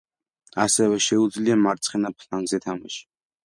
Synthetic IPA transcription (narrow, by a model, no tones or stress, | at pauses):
asɛvɛʃɛud̪zliamaɾt̪sʼχɛnapʰlanɡzɛt̪ʰama̰ʃi̥